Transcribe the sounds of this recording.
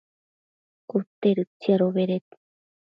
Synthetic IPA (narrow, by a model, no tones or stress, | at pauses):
kut̪eɾɨt͡siaɾoβeɾet̪